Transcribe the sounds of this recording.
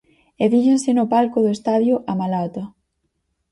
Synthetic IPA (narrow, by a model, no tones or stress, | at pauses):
eðiʃensɪnʊpalkʊðoest̪aðjʊʔamalat̪ɐ